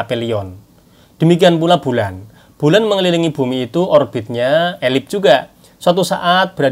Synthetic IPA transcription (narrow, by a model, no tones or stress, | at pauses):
peliɔn | d̥ə̤mikianp̬ulab̥ṳlan | b̥ṳlanməŋliliŋib̥ṳmiːt̪uʔɔrb̥ɪ̤t̪̚ɲaelɪp̚d͡ʒ̥uɡa | swat̪usa̰ʔat̪̚b̥əɾa